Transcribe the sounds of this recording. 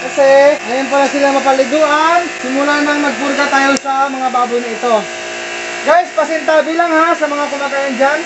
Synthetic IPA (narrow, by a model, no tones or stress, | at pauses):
kɐsɛŋɐjonp̬anasɪlaŋmɐpɐlɪd̪uːʔansɪmulanɐŋmɐɡ̚pʊɾɡat̪ajowsɐmɐŋabaːbʊjnɐɪt̪o̞ | ɡajspɐsɛnt̪abiːlaŋhasɐmɐŋakʊmaɡ̪ajand͡ʒan